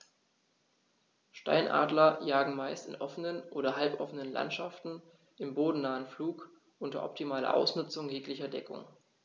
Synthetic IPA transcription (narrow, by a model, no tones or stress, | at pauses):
ʃta̰ɪnʔa̰ːdlɐjaːɡŋ̩maɪstɪnʔɔfənənʔoːɾɐɦalpʔɔfənənla̰ntʃaftn̩ | ʔɪmboːdn̩naːənfluːk | ʔʊntɐ̰ʔɔ̰p̚tʰimaːlɐ̰ʔa̰ʊsnʏt͡sʊŋjeːklɪçɐdɛkʰʊ̰ŋ